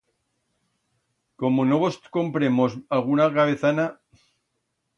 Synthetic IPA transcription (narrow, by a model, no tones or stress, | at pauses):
komonoβosko̞mpɾemosalɣunakaβeθana